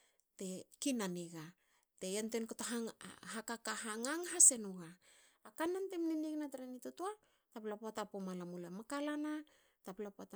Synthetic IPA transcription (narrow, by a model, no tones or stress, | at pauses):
te̞kinaniɡa | te̞entenkotaɦaŋ̰ɦakakahaŋaŋɦase̞nuɡaː | kanantemniniknatɾenitutua | taplapoatapomalamulemakalana | taplapoata